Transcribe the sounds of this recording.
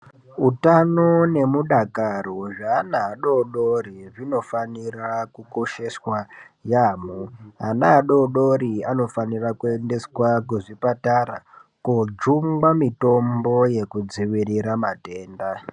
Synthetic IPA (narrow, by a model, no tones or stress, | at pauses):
utano̞ne̞muɗakaroʐaːnaːɗoɗoɾiʐino̞fanirakuko̞ʃe̞swa | jaːmuanaːɗo̞ɗoɾiano̞fanirakue̞nde̞swakuʐipataɾa̰kod͡ʒumɡamito̞mbo̞je̞kud͡ziʋiriɾamate̞ːnda